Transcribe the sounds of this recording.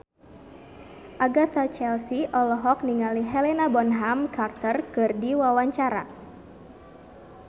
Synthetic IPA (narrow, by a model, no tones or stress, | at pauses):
ʔaɡat̪at͡ʃɛlsiʔɔlɔɦɔk̚niŋaliɦɛlenabɔnɦamkart̪ərkɨrdiwawaɲt͡ʃaɾa̰